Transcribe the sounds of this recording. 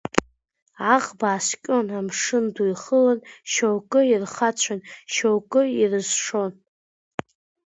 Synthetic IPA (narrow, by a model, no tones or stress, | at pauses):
aʁbaːskʲʼonamʂɨndujχəlanʃowkʼɨirχat͡ɕʷʰanʃowkʼɨirɨzʂo̞n